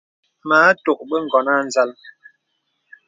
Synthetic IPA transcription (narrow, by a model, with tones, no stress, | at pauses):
maː˨˦to˨k̚ɓə˦ŋ̩˨ɡɔ˨na˦˨n̩˨za˦l